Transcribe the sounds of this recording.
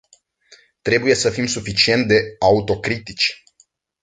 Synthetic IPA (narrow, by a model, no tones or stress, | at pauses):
t̪ɾe̞buje̞səfimsufit͡ʃie̞nt̪̚d̪e̞aut̪o̞kɾit̪it͡ʃʲ